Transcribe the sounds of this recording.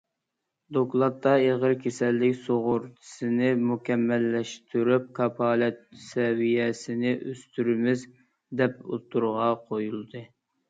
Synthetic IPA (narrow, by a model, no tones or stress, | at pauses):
d̪oklˠɑt̪ʰːɑeʁəɾkʲʰesɛlːɪkʲsoʁʊɾt̪ʰɨ̥sɨnɪmukʲɛmːɛlːɛʃt̪ʰyɾyp̚kʰɑpʰɑːlɛt̪̚sɛwijɛsɪnɪʔøst̪ʰyɾymɪz | d̪ɛpo̰t̪ʰːuɾʁɑqʰojulˠd̪ɨ